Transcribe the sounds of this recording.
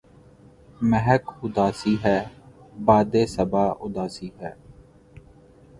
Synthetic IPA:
məɦəkʊd̪aːsiːɦɛːbaːd̪eːsəbaːʔʊd̪aːsiːɦɛː

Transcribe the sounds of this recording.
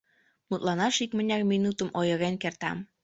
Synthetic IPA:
mut̪lɑnɑʃikmənʲɑk̚minut̪əmʔojɤ̆ɣenkert̪ɑ̰m

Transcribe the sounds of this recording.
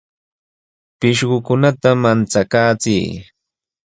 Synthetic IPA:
pɪʃɢʊkʊnat̪amant͡sakaːt͡sḭjː

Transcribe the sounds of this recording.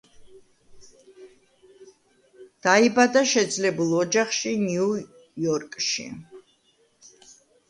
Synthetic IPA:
d̪̥aibad̪aʃɛd̪zlɛbulˠɔd͡ʒaχʃiniu | jɔɾkʼʃḭ

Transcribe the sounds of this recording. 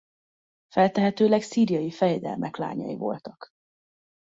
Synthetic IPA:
fɛlt̪ɛɦɛt̪øːlɛɡsiːɾijɒjifɛjɛd̪ɛlmɛkla̰ːɲɒ̰jḭvo̞lt̪ɒk

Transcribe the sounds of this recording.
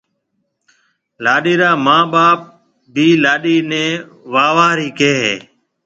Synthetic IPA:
laːɗiːɾaːmãːɓaːp̚ | biːlaːɗiːnẽː | ʋaːʋaːɾiːkeːɦeː

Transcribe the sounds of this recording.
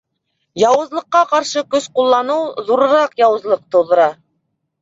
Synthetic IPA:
jɑwɤ̆zlˠɤ̆qːɑqɑɾʃɤkɵsqulˠːɑnɤwðuɾɤ̆ɾɑqjɑwɤ̆zlˠɤq̚t̪ŏwðɤ̆ɾɑ

